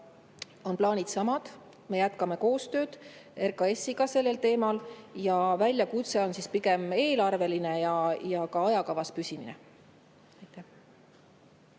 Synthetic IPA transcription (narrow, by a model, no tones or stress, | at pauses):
o̞nplɑːnid̪̥sɑmɑd̪̥ | me̞jæt̪kɑme̞ko̞ːst̪ø̞ːd̪̥erkɑe̞sːiɡɑse̞lːe̞lt̪e̞ːmɑljɑvælʲːjɑkut̪se̞o̞nsispiɡe̞me̞ːlɑrve̞line̞jɑjɑkɑɑjɑkɑvɑspysiminḛ | ɑjt̪ːˑæh